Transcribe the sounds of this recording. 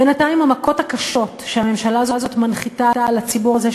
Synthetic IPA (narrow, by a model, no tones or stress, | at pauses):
benataimamako̞takaʃo̞tʃeame̞mʃalaazozotmanχitaalat͡sibuʁaze